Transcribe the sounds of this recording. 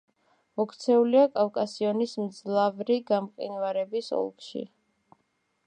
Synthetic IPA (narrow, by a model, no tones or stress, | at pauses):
mɔkʰt̪sʰɛuliakʼafkʼasiɔnismd̪zlˠavɾiɡamqʼḭnvaɾɛbisɔ̰lˠkʼʃḭ